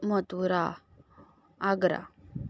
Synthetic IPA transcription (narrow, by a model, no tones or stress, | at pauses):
mət̪uɾa | aɡɾa̰